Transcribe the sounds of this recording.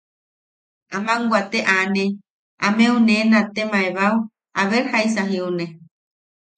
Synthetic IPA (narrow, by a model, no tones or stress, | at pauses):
amãŋɡʷat̪eʔanẽ | amẽũnenãt̪emãeβaw | aβeɾhaijsaɦiunẽ